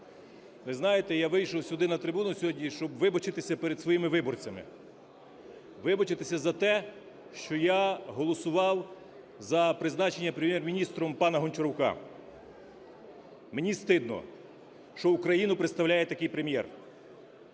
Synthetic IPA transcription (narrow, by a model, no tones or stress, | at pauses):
ʋɪznɑjet̪ɛjaʋɪjʃɔwsʲʊɔd̪ɪnɐt̪ɾɪbunʊsʲɦɔdʲnʲiʃt͡ʃɔbʋɪbɐt͡ʃɪt̪ɪsʲɐpeɾed̪sʋɔjimɪʋɪbɔrt͡sʲɐmɪ̰ | ʋɪbɐt͡ʃɪt̪ɪsʲɐzɐt̪ɛ | ʃt͡ʃɔjaɦɔlˠɔsʊʋɑw | zɐpɾɪznɑt͡ʃenʲːɐpɾemjɛrmʲinʲist̪ɾɔmpɑnɐɦɔnʲt͡ʃɔɾɔwkɑ̰ | menʲist̪ɪd̪nɔ̰ | ʃt͡ʃɔukɾɐjinʊpɾeɪt̪st̪ɐwlʲajɛt̪ɐkɪjpɾemʲjɛ̰r